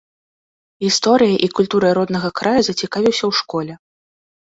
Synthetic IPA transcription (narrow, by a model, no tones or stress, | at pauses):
ɣʲist̪ɔɾɨjɐʔikulʲt̪uɾɐɾɔd̪nɐɣɐkɾajuzɐt͡sʲikavʲiwsʲɐwʂkɔlʲɛ